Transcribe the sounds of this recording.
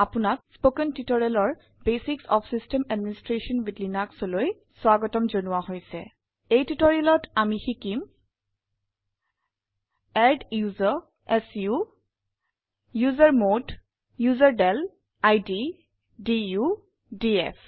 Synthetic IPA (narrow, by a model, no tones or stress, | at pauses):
apunak̚spokɛntitoɹialɔɹ | besiksɔpʰsistɛmɛdministɹesɔnbidlinaksɔloj | swaɡɔtɔmzonuwaɦojsɛ̰ | ejtutoɹialɔtamixikim | ɛɖjuza | ɛsju | juzaɹmod | juzaɹɖɛl | ajdi | diju | diɛfʰ